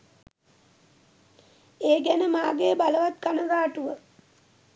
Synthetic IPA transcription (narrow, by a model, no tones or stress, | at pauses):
eːɡænəmaːɡebaləʋat̪kanəɡaːʈuʋə